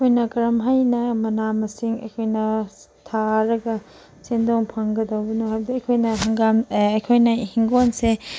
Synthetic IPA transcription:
kʰojnɐkɐɾɐmɦajnɐmɐnamɐsiŋɐ̰jkʰojnɐ | tʰaɾɐɡɐ | sendoŋpʰɐŋɡɐdɐwbɐnuɦajbd̪iɐjkʰojnɐɦɐŋɡamːjkʰojnɐhiŋɡonse

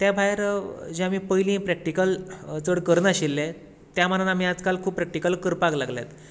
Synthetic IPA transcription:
t̪jabʱajɾd͡ʑeamiːpəjlĩːpɾɛk̚ʈikəlt͡səɽkəɾnəɕilːe | t̪jam̤ananam̤iːad͡zkalkʰuːp̚pɾɛk̚ʈikəlkəɾpaɡlaɡlja̰t̪

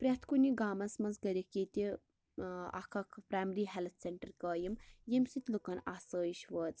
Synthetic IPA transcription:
pɾʲɐt̪ʰkuniɡaːmɐnsmɐnzɡɐɾiket̪i | a̰kʰɐkʰpɾaːjmɾiɦelt̪ʰseɳʈɐɾkəːjimjemsit̪lukɐnasəːjiʃʋəːt͡s

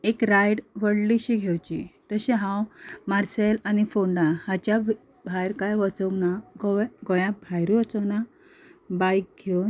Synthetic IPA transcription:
ekɾajɽʋəɽliɕiɡʱewt͡ɕḭt̪əɕɛ̃ɦãwmaɾselanifoɳɖahat͡ɕja | bʱajɾkajʋət͡səwnaɡɔɡɔjãbʱajɾʋət͡səwna | bajk̚ɡʱewn

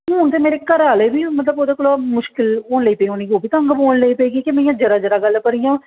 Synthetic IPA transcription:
ɦʊːnt̪eːmeːɾeːkəɾaːleːbiːmət̪ləboːd̪aːkolaːmʊʃkɪloːnləiːpeːoːniːɡoːbʱiːt̪aə̃ŋɡpoːnləiːpeːɡikemɛ̃ĩjãːd͡ʒəɾaːd͡ʒəɾaːɡəlkəɾiːjãː

